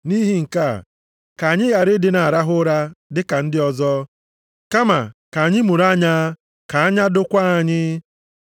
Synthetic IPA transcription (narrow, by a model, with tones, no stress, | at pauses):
ni˦ɦi˦ŋ̩˨ka̰˦˨ | ka˨ɲɪ˦ja˨ɾɪ˦dɪ˨˦na˨ɾa˦ɦʊ˦ɾa˦dɪ˦ka˨n̩˦dɪ˦ɔ˦zɔ˦ | ka˦ma˨ka˨a˨ɲɪ˦mu˨ɾa˦ɲa˦ | ka˨a˦ɲa˦dʊ˦kʷa˦a˨ɲɪ˦